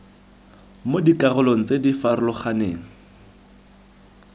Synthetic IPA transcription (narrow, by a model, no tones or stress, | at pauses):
modikʼarʊloŋ̩t͡sedifarlɔχaneːŋ̩